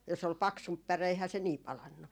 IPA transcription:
jos ol pɑksump pære eihæː se niː pɑlɑnːu

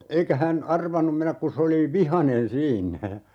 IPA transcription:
eikæ hæn ɑrʋɑnum menæk ku s oli ʋihɑnen siːnːæ jɑ

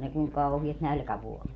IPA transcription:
ne kuŋ kɑuhiɑt nælkæʋuolet

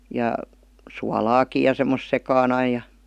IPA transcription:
jɑ suɑlɑːki jɑ semːos sekɑːn ɑi jɑ

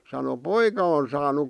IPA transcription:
sɑno poikɑ on sɑːnuk

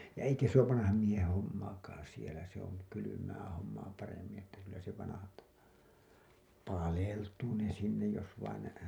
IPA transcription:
jɑ eikæ se oːʋ ʋɑnɑhɑm miehẽː homːɑːkɑːɑ̃ sielæ se on kylymæː homːɑː pɑremːĩː etːæ kylːæ se ʋɑnɑhɑltɑ pɑleltuː ne sinːej jos ʋɑin ne

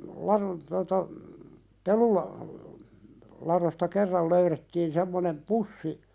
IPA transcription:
lɑɾon totɑ pelulɑ lɑɾostɑ kerːɑl løyɾetːiːn semːonem pusːi

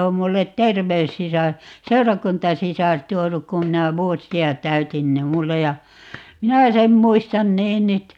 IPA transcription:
om mulːet terʋeysːisɑr seurɑkuntɑsisɑr tuonuk kum minæ ʋuosiɑ tæytin ni mulːe jɑ minæ sem muistɑn niːn nyt

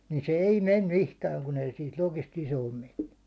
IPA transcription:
niːn se ei mem mihkæːŋ kun ei siːt lokist isoːm menːy

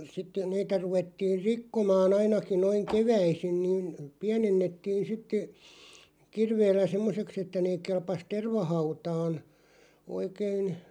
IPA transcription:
sitːe niːtæ ruʋetːiːr rikːomɑːn ɑinɑki noiŋ keʋæisin niːn piænenːetːiːn sitːe kirʋeːlːæ semːoseks etːæ neː kelpɑs terʋɑhɑutɑːn oikein

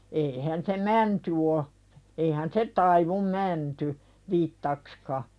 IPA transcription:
eihæn se mænty o eihæn se tɑiʋum mænty ʋitːɑkskɑ

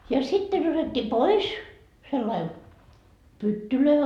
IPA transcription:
jɑ sitːen otetːi pois selːɑi pytːyløi

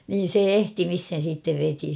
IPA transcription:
niːn̞ se ehtimishen̞ siːtːeʋ ʋeti

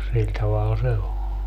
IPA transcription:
silʲ tɑʋɑl se o

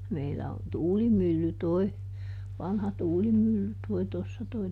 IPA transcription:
meilːæ on tuːlimylːy toi ʋɑnhɑ tuːlimylːy toi tosːɑ toi

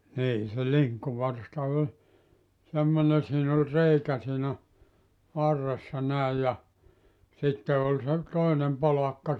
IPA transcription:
niː se liŋkːuʋɑrstɑ olʲ semːone siːn ol reikæ siːnæ ʋɑrːesːɑ næij jɑ sitːe ol se toinem polɑkːɑ

